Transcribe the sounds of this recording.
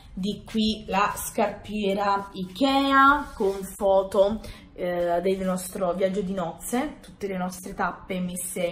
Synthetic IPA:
d̪ikːwilaskarpjɛːɾaik̟ɛːakoɱfɔːt̪o | d̪elnɔst̪ɾovjad͡ʒːod̪inɔt̪sːet̪ut̪ːelenɔst̪ɾet̪apːemesːe

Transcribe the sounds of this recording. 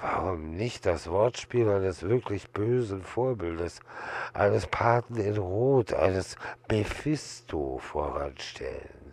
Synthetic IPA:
v̥aʁʊmnɪçt̚d̥asv̥ɔɐtʃpiːlaɪnəsv̥ɪɐkʰlɪçb̥øːzn̩foːɐbɪldəsʔa̰ɪnəspʰaɐtn̩ɪnʁoːtʰʔa̰ɪnəsb̥efɪstʰofoːɐʁa̰nʃtʰɛ̰lə̰n

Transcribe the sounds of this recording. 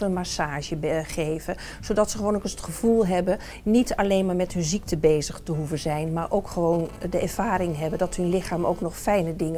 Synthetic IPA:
ələnmasaːʒəbχejvə | z̥owdɑtsəχəʋoːnokəsətχəv̥ulˠɦɛbə | nitalejnmaːɹmɛtɦɵnzik̚təbejzəχtəɦuvənzɛjnmaːɹʔowkχəʋowndəɛɹv̥aːɾɪŋɦɛbəndɑtɦɵnlɪχaːmo̰wknɔχfɛjnədɪŋə

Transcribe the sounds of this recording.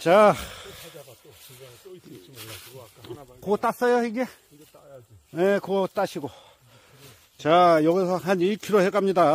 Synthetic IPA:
t͡ɕa | kot͈as͈ʌjoiɡe | jekot͈aɕʰiɡo | t͡ɕajʌɡisʰʌɦaniɭkʰiɾohek͈amɲida

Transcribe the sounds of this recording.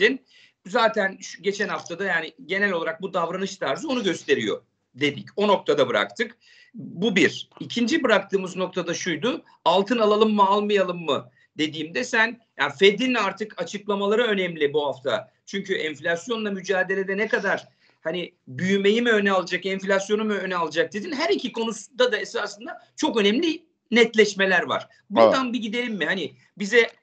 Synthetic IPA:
in | zaːt̪ʰænʃɟe̞t͡ʃʰɛnhaft̪ʰad̪ajaːnɪɟe̞nɛlʲo̞lˠaɾak̚bud̪avɾanɯʃt̪ʰaɾzɯo̞nuɟø̞st̪ʰe̞ɾijo̞̰ | d̪e̞d̪ico̞no̞k̚t̪ʰad̪abɯɾa̰k̚t̪ʰɯk | bubiɾ̥icʰind͡ʒibɯɾak̚t̪ʰɯːmɯzno̞k̚t̪ʰad̪aʃujd̪ʊ | alˠt̪ʰɯnalˠalˠɯmːɯalˠmɯjalˠɯmːɯ | d̪e̞d̪iːmd̪ɛsænja̰fe̞d̪inaɾt̪ʰɯkʰat͡ʃʰɯklˠamalˠaɾaø̞nɛmlʲibuɦaft̪ʰa̰ | t͡ʃʰyɲcʰyʔɛnflʲasjo̞nlˠamyd͡ʒaːd̪e̞lʲe̞d̪ɛnɛkad̪aɾ̥ | hanɪbyjyme̞jimiø̞nɛalˠad͡ʒakɛnflʲasjo̞numuønɛalˠad͡ʒak̚d̪ed̪inɦæɾicʰikʰo̞nusund̪ad̪aesaːsɯnd̪at͡ʃʰo̞kø̞nɛmlʲi | nɛt̪lʲɛʃme̞lʲæɾva̰ɾ̥ | buɾd̪anbiɟid̪e̞lʲimːɪhanɪ | bizɛ

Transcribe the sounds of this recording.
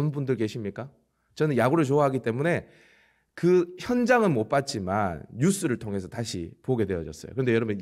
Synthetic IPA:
nbundɯɭke̞ɕʰimɲik͈a | t͡ɕʌnɯnjaɡuɾɯɭt͡ɕoaɦaɡit͈e̞mune̞ | kɯçjʌnd͡ʑaŋɯnmop͈at͡ɕ͈ima̰njus͈ɯɾɯɭtʰoŋɦe̞sʰʌtaɕʰḭpoɡe̞dwe̞jʌd͡ʑʌ̰s͈ʌ̰jo̰kɯndejʌɾʌbun

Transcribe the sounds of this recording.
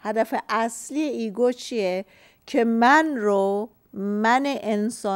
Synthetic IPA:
hæd̪æfeʔæslieiːɡot͡ʃʰije | cʰemænɾo | mæneʔensɒː

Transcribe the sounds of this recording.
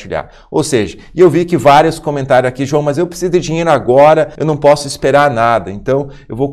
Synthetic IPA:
t͡ʃiʎa̰ɾ | o̰wseʒɐ | ɪewvikɪvaɾjʊskõmẽnt̪aɾjʊzakiʒuɐ̃w̃mɐzewpɾe̥sizʊd̪ɪd͡ʒiɲejɾʊaɡɔɾɐewnɐ̃w̃pɔsʊɪspeɾaɾnad̪ɐẽnt̪ɐ̃w̃ | ewvow

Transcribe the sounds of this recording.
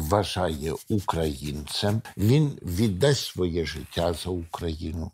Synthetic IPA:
ʋɐʒajɛukɾɐjint̪sɛmʋʲinʋʲid̪ːasʲʋɔjɛʒɪtʲːazɐukɾɐjinʊ

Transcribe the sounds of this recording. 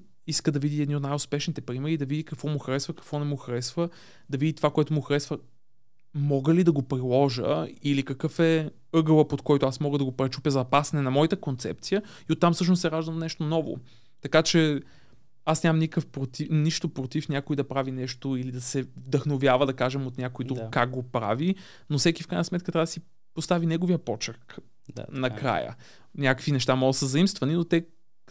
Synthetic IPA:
iskəd̪ɐvid̪iɛd̪iot̪najʊspɛʃnit̪ɛpɾimɛɾid̪ɐvid̪ikɐkvɔmuxɾɛsvəkɐ̥kvɔnɛmuxɾɛsvə | d̪ɐvid̪it̪ovakoɛt̪ʊmuxɾɛsvə | mɔɡəlid̪ɐɡopɾilˠɔʒə̰ilikɐkɤfɛ | ɤɡəlˠəpot̪kɔjt̪oasmɔɡəd̪ɐɡopɾɛt͡ʃupʲəzɐpasɐnɛnɐmɔit̪əkont̪sɛ̰p̚t̪sijə | iot̪ːamfsɤʃ̬nossɛɾaʒd̪əmnɛʃt̪onɔvo̰ | t̪ɐkat͡ʃɛ | asnʲammnikəfpɾot̪iniʃt̪opɾot̪ifnʲjakoid̪ɐpɾavinɛʃt̪oilid̪ɐsɛvd̪əxnovʲjavəd̪ɐkaʒɛmot̪nʲakoid̪ɾukkːaɡ̚ɡopɾa̰vi | nofsɛkifkɾajnəsmɛt̪kət̪ɾavd̪si | post̪avinɛɡoviəpɔt͡ʃək | nɐkɾa̰jə̰ | nʲakəkvinɛʃt̪amɔɡəsəzɐimst̪vɐninot̪ɛ

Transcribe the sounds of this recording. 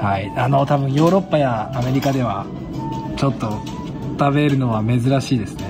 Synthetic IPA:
haiano̞t̪abɯ̟̃ɰ̃jo̞ːɾo̞pːajaːme̞ɾʲikad̪e̞β̞a | t͡ɕo̞t̪ːo̞ | t̪aβe̞ɾɯ̟no̞βame̞zɨɾaɕiːd̪e̞sɨ̥ne̞

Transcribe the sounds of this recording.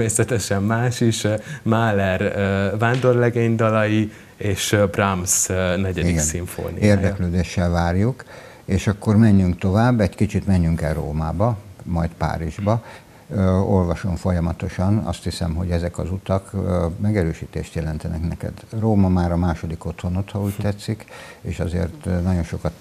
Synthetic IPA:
meːsɛt̪ɛʃɛmːaːʃiʃmaːlɛrvaːnd̪o̞rlɛɡeːɲd̪ɒlɒji | eːʃbramsnɛɟɛiiɡɛnsiɱfo̰ːnḭjeːrd̪ɛkløːd̪eːʃːɛlvaːrjuk | eːʃɒkːo̞rmɛɲːyŋkt̪o̞vaːbːɛɟkit͡ʃit̪mɛɲːyŋkɛlro̰ːmaːbɒmɒjt̪pa̰ːɾiʒbɒ | o̞lvɒʃo̞ɱfo̞jɒmɒt̪o̞ʃɒnɒ̰st̪hisɛ̰mɦo̞̰ɟɛzɛkɒ̰zut̪ɒkmɛɡɛɾøːʃiːt̪eːʃt̪jɛlɛnt̪ɛnɛknɛkɛ̰d̪roːmɒmaːɾɒmaːʃo̞d̪ikot̪ho̞not̪hɒuːcʲt̪ɛt̪sikeːʃɒzḛːrt̪nɒɟo̞nʃo̞kɒt̪

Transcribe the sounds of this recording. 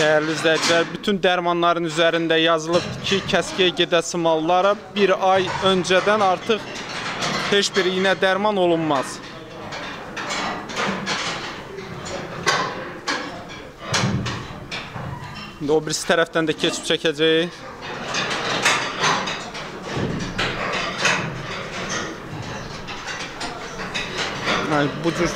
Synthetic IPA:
d̪̥æjæɾliyzlæjd͡ʒ̪ilæɾbyt̪ʰynd̪æɾmɑnlˠɑɾɯnyzæɾind̪æjɑzɯlˠɯbd̪cʰicʰæscijæɟe̞d̪æsimɑlˠːɑɾɑbiɾɑjønd͡ʒæd̪ænɑɾt̪ʰɯχ | he̞ʃbiɾjinæd̪æɾmɑno̞lˠunmɑz̥ | ind̪iobiɾisi̥t̪ʰæɾæfd̪ænd̪æcʰet͡ʃʰi̥p̚t͡ʃʰæcʰæd͡ʒæji | æbud͡ʒyɾ

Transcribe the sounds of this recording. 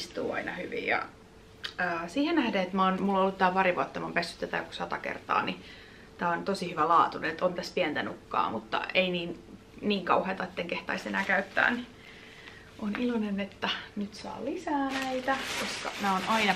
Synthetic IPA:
st̪ṵːɑ̰inɑhyʋḭjjɑ̰ | əːsiːhenæhdeet̪mæonmulːoolːut̪t̪ːæːpɑɾiʋuɑt̪ːɑmompesːy̥t̪ːæt̪æ̰ːku̥sɑt̪ɑkḛrt̪ɑ̰ːni | t̪æːont̪osihyʋælɑːt̪uneet̪ont̪æspiɛnt̪ænukːɑ̰ːmut̪ːɑ̰einiːn | niːŋkɑuhet̪ɑet̪ːeŋkeht̪ɑ̰isenæːkæyt̪ːæ̰ːni | ʔonilonenet̪ːænyt̪sɑ̰ːlisæːnæit̪ækoskɑ̰næːonɑinɑ

